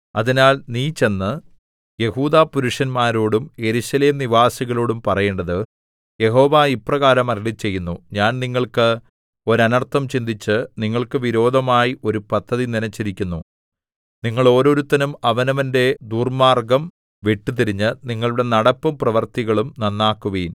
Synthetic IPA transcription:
ɐðinaːlniːt͡ɕe̞nːɨ | je̞huːðaːpuɾuʂɐnmaːɾoːɽumje̞ɾuɕɐle̞ːmniʋaːsiɣɐɭoːɽumpɐrɐjeːɳɖɐðɨ | je̞ɦo̞ːʋaːipːrɐɣaːɾɐmɐɾiɭit͡ɕːe̞jːunːuɲaːnniŋːɐɭkɨ | o̞ɾɐnɐrt̪ʰːɐmt͡ɕind̪it͡ɕːɨniŋːɐɭkɨʋiɾo̞ːd̪ʱɐmaːjiʔo̞ɾupɐt̪ʰːɐðininɐt͡ɕːiɾikʲːunːu | niŋːɐɭo̞ːɾo̞ɾut̪ːɐnumɐʋɐnɐʋɐnde̞d̪uːrmaːrɡɐm | ʋeʈːɨt̪̬iɾiɲːɨniŋːɐɭuɽe̞nɐɽɐpːɐmprɐʋɐrt̪iɣɐɭumnɐnːaːkːuʋiːn

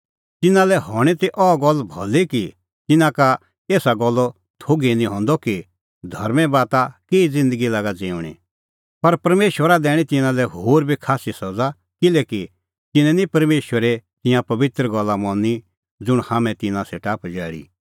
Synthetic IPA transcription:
t̪ɪnãlɛɦɔɽ̃it̪iʔɔɡɔlːbʱɔliki | t̪ɪnãka | eːsaɡɔlːɔ | t̪ʰoːɡenĩɦɔ̃nd̪ɔki | d̪ʱɐ̰ɾmɛ̃baːt̪akeːid͡zɪ̃nd̪əɡilaːɡad͡zeːʊ̃ɽ̃ḭ | pɐɾpɐɾmeːʃwəɾad̪ɛːɽ̃ĩt̪ɪnãlɛɦoːɾbʱikʰaːsisɐd͡za | kɪlɛːki | t̪ɪnɛ̃nipɐɾmeːʃwəɾɛt̪ɪ̃jãpɐʋɪt̪ɾəɡɔlːamɔ̃ni | d͡zʊɽ̃haːmɛ̃t̪ɪnãsɛːʈaːpd͡ʒɛːɽḭː

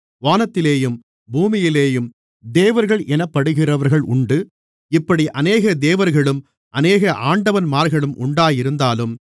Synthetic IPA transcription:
ʋaːnɐt̪ːɪleːjɯm | buːmɪjɪleːjɯm | d̪eːʋɐɾɣɐɭʔɛnɐpːɐɽɯɣɪrɐʋɐɾɣɐɭʔʊɳɖɯ | ɪpːɐɽiʔɐneːɣɐd̪eːʋɐɾɣɐɭɯm | ʔɐneːɣɐʔaːɳɖɐʋɐnmaːɾɣɐɭɯmʔʊɳɖaːjɪɾɯnd̪aːlɯm

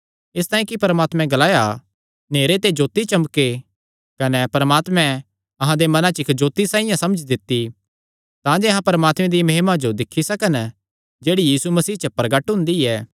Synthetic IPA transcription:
ɪst̪aːĩkipɐɾmaːt̪mɛ̃ɡɐlaːja | neːɾet̪ed͡ʒoːt̪ːit͡ʃɐmke | kɐnɛpɐɾəmaːt̪mɛ̃ | ɐɦãd̪emɐnãt͡ʃɪkd͡ʒoːt̪ːisãːɪ̃jãsɐməd͡ʒd̪ɪt̪ːi | t̪ãd͡ʒeɐɦãpɐɾəmaːt̪mɛ̃d̪imɐɦmad͡ʒod̪ɪkʰːisɐkən | d͡ʒeːɽijiːsumɐsiːt͡ʃəpɾɐɡəʈɦʊ̃nd̪iɛː

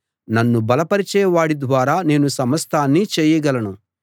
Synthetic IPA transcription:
nɐnːubɐlɐpɐɾit͡ʃɛːjɐʋaːɽid̪ʋaːɾaːne̞ːnusɐmɐst̪aːnːiːt͡ʃɛːjɐɡɐlɐnu

